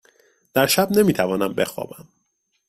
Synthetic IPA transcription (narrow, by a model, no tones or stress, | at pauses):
d̪̥æɾʃæbne̞miːt̪ʰævɒːnæmbe̞xɒ̰ːbæm